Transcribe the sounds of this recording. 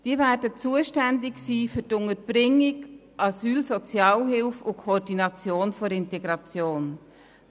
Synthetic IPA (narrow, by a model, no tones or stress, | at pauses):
d̥iːəvæːɾdət͡suːəʃtændɪksiːfʏtʊŋəb̥ɾɪŋːɪk | ʔɑsyːlsɔt͡sjɑːlɦɪlfʊkʰoːrdinɑt͡sjoːnfoɾɪntɛɡɾɑt͡sjoːn